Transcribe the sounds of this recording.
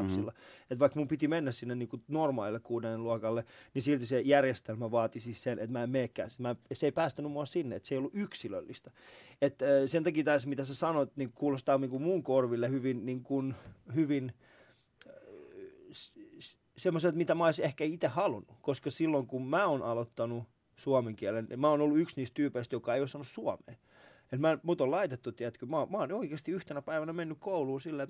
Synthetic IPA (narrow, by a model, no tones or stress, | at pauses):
psilːɑet̪ʋɑikmumpit̪imenːæssinːeniːkunormɑːlilːekkuːdenluɑkɑlːenisilt̪isejærjest̪elmæʋɑːt̪isisenʔḛt̪mæːemmeːkːæ̰ːsmæseipæːst̪ænymuɑsinːeet̪seijoluʔyksilø̰lːist̪ɑet̪ːsent̪ɑkiːt̪æsmit̪æsesɑnoet̪niːŋkukuːlost̪ɑːniŋkummuŋkorʋilːehyʋinniːŋkunhyʋin | s | semːoselt̪mit̪æmæoisehkæit̪ehɑlunːukoskɑsilːoŋkummæːonʔɑlot̪ːɑnu | suɑmeŋkiælen̰mæonolːuyksniːst̪yːpeist̪jokɑeiosːɑnːussuɑmḛː | et̪mæmut̪olɑit̪et̪ːut̪iæt̪kymɑmɑːnoikeːst̪iyht̪enæpæiʋænæmenːykkouluːsilːæt̪